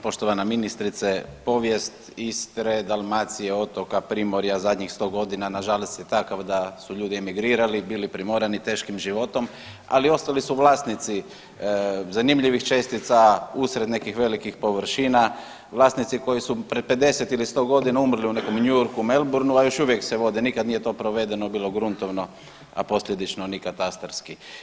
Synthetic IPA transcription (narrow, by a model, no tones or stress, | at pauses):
po̞ʃt̪oʋanaminist̪ɾit̪sepo̞ʋje̞st̪ | ist̪ɾed̪alˠmaːt̪sije̞o̞t̪o̞kapɾimo̞ɾjazad̪ɲixst̪o̞ɡo̞d̪inanaʒalost̪jet̪akaʋd̪asuʎuːd̪iemiɡɾiːɾalibiːlipɾimoɾanit̪e̞ːʃkimʒiʋo̞t̪o̞m | a̰lio̞st̪alisuʋlˠaːst̪nit̪si | zanimʎiʋixt͡ʃe̞st̪it̪sausɾene̞kixʋe̞likixpo̞ʋɾ̩ʃiːna | ʋlˠaːst̪nit̪siko̞jisupɾed̪̚pe̞d̪e̞set̪ilist̪o̞ɡo̞d̪inaumr̩liune̞ko̞mɲujoɾkume̞lˠbuɾnuajo̞ʃuʋjekseʋo̞d̪inikad̪nije̞t̪o̞ːpɾoʋe̞d̪e̞nobiːlo̞ɡɾunt̪oʋno̞ | a̰po̞sʎʲe̞d̪it͡ʃnonikat̪ast̪ɾski